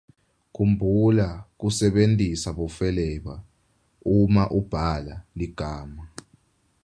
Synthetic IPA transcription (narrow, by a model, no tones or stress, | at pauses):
k̬ʰumbʱulak̬usɛɓentʼisaɓɔfɛlɛɓa | umaʔub̥ʱalaliɡ̥ʱaːma